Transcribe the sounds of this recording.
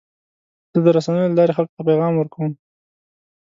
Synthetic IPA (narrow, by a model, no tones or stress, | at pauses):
z̥əd̪əɾasanəjolalɑɾexalko̥t̪apeɣɑmwəɾkawəm